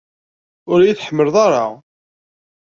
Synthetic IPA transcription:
ʊɾjiθħəmːəlðˤɑɾˤɑ

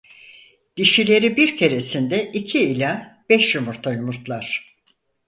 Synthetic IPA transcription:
d̪̥iʃilʲe̞ɾibiɾcʰe̞ɾe̞sind̪ɛʔicʰiːlʲab̥ɛʃjumuɾt̪ʰajumuɾt̪lˠaɾ̥

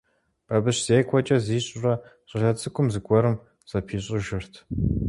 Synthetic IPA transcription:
b̥ɐbɨɕz̥eːkʷʰɔt͡ʃʼɐziːɕʼʊrɐ | ɕʷʼɪɮɐt͡sʼɨkʷʼʊmzɨɡʷʼɔɾɨm | z̥ɐpʰiːɕʼɪʒɪrtʰ

